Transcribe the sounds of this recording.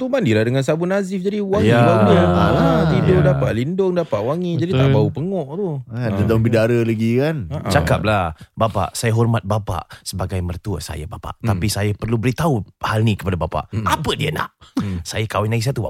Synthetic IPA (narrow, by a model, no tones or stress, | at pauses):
t̪umandilahdəŋansabʊnazɪfd͡ʒadiwaŋjiabadəat̪idʊdapaʔ̪lindʊŋdapaʔwaŋid͡ʒadit̪aʔbaupəŋɔʔt̪ʊkandəd̪ambidaɾəlaɡikant͡ʃakap̚labapa̰ʔsajaɦɔrmat̪̚bapa̰ʔsəbaɡajmərt̪uəsa̰ja̰bapa̰ʔt̪apisajapərlubəɾit̪auhalnikəpadabapa̰ʔapədiəna̰ʔsajakawɪnaɡiʔs̬at̪uba